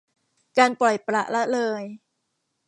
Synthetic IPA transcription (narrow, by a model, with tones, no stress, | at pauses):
kaː˧npɔ˨˩jpɾa˨˧˩ʔla˦˥ʔlɤː˧j